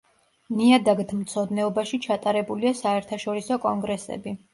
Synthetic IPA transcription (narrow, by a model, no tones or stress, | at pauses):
niad̪aɡt̪ʰmt̪sʰɔd̪nɛɔbaʃit͡ʃʰat̪ʼaɾɛbuliasaɛɾt̪ʰaʃɔɾisɔkʼɔŋɡɾɛsɛ̰bi